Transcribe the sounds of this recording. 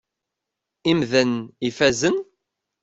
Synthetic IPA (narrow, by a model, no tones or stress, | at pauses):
imðənifæzən